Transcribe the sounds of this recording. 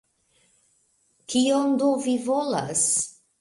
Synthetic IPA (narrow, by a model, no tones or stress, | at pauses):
kʰiond̪ovivola̰s